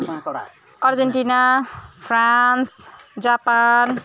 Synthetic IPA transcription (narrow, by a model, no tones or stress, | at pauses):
ʌrd͡zeɳʈinapʰransd͡zapan